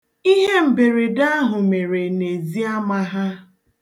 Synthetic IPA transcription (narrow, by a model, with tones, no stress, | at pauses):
i˦ɦe˦m̩˨be˨ɾe˨da˦ɦʊ˨me˨ɾe˨ne˨zi˦a˦ma˦ɦa˦